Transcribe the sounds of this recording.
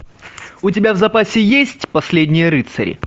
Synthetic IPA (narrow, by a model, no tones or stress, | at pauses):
ʊt̬ʲɪbʲavzɐpasʲɪjesʲtʲpɐsʲlʲedʲnʲɪjəɾɨt̪sɐ̰ɾʲɪ̰